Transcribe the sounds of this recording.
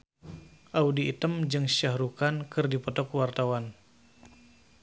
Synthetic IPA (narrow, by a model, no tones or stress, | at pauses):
ʔaudiːt̪əmd͡ʒɨŋsahɾukankɨrdipɔt̪ɔkwart̪awan